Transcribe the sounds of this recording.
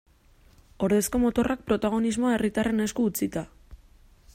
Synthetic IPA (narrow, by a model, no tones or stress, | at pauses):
o̞ɾðe̞sko̞mo̞t̪o̞rak̚pɾo̞t̪aɣ̞o̞nizmo̞ae̞rit̪are̞ne̞skuːt͡sit̪a